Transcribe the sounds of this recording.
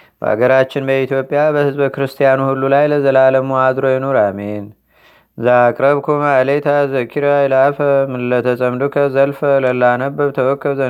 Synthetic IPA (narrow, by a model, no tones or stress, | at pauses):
b̥ə̰ʔa̰ɡəɾat͡ʃːɪnbəit̪ʰjo̞pʼːjabəhɨzbəkɨɾɨst̪ʰijanuhulːulajləzəlaləmuad̪ɾojɛnoɾamen | zaːkʼɾəβkʰomalet̪ʰazəkʰiɾajɛlafəmɨlːət̪ʰəsʼəmd̪okʰəzəlfələlːanəbːəβt̪ʰəwɔkʰːəβzə